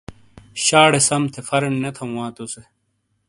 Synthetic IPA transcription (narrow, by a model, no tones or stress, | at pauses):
ɕaːɽesɐmt̪ʰefɐɾenːɐt̪ʰɐw̃wãːt̪use